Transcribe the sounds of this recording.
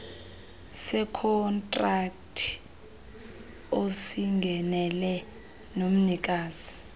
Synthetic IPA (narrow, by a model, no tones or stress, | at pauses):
sɛkʰɔntʼrak̚tʰi̥ | osiŋɡʱɛnɛlɛ | nom̩nik̬ʼaːzi